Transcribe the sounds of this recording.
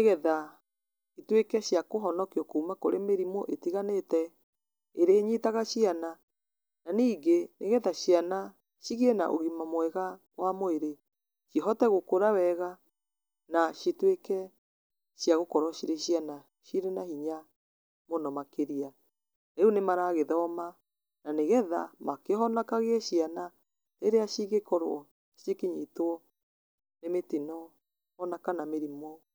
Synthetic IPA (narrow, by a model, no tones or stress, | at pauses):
eɣɛða | itwekɛɕjakoɦɔnɔkiɔkuːmakoɾemeɾimoʔetiɣanetɛ | eɾeːɲitaɣaʃiana | naniːɡeneɣɛðaɕiana | ʃiɣɛna̰ʔo̰ɣimamwɛɣa | wamoeɾe | ʃiɦɔtɛɣokoɾawɛɣa | naʃitwekɛ | ʃjaɣokɔɾɔʃiɾeʃjana | ʃiɾenahiɲa | monɔmakeɾia | eunemaɾaɣeðɔma | naneɣɛða̰makeɦɔnakaɣeɛʃiana | teɾeaʃiɣekɔɾo̰ɔ | ʃiekiɲetwɔ | nemetinɔ | ɔnakanameɾimɔ